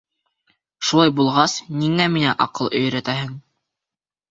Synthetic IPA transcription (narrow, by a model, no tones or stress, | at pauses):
ʃulˠɑjbulˠʁɑsniŋæminæʔɑqɤlˠɵ̆jɾæt̪æɦɘŋ